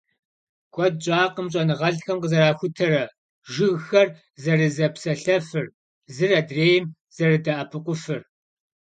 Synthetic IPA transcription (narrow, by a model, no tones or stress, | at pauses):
ɡʷʼɔd̚t͡ʃʼaːqəmɕʼɐnɨʁɐɮxɐmqəzɐɾaːxʷʊtʰɐɾɐ | ʒɪɣxɐr | zɐrɨzɐpsɐɬɐfɨr | zɨrɐdreːjɪm | z̥ɐrɨdɐʔɐpʰɨqʷʊfɨr